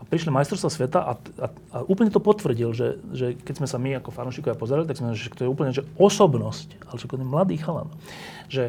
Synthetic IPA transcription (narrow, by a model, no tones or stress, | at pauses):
apɾiʃlimajst̪ɾɔʊst̪ʋasʋɛt̪aʔaa | aʔuːpl̩ɲɛt̪ɔpɔt̪ʋr̩ɟilʒɛ̰ʒɛkɛɟzmɛsamiakɔfanuːʃiːkɔʋapɔzaɾalit̪aksmɛakt̪ɔjɛuːpl̩ɲɛʒɛɔsɔbnɔsc | alɛʃɛkɔɲɛmlad̪iːxala̰n | ʒɛ